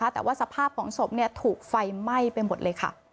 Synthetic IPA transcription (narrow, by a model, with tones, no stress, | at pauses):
a˦˥t̪ɛː˨˩waː˥˩sa˧pʰaː˥˩p̚kʰɔː˩˦ŋso˨˩p̚ni˥˩ɐt̪ʰuː˨˩k̚fa˧jma˥˩jpe˧nmo˨˩t̪̚lɤː˧jkʰa̰˥˩